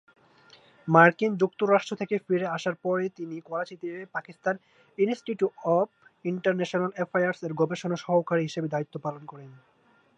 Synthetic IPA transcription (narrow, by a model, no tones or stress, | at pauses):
maɾkind͡ʑukt̪oɾaʃʈɾot̪ʰekefiɾeaʃaɾpɔɾet̪inikɔɾat͡ɕit̪iepakist̪an | insʈiʈjuɔb̚iɳʈaɾneʃonalefʰajaɾseɾɡɔbeʃonaʃɔɦokaɾiɦiʃebed̪ait̪ːopalonkɔɾen